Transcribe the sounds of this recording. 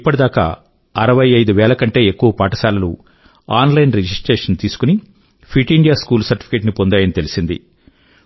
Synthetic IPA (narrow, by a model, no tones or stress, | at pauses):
ipːɐʈid̪aːka̰ː | ɐɾɐʋɐjɐjd̪uʋɛːlɐkɐɳʈe̞ːekːuʋɐpaːʈɐsaːlɐlṵ | aːnlɐjnɾed͡ʒisʈɾeːʂɐnt̪iːsu̥kuni | pʰiʈiɳɖijaːskuːlsɐɾʈipʰi̥keːʈ̬nipo̞nd̪aːjɐnit̪e̞lisind̪ḭ